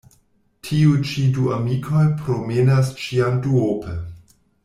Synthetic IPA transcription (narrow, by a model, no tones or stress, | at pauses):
tʰiut͡ʃiduamikʰojpɾomenas̬t͡ʃiamduopʰe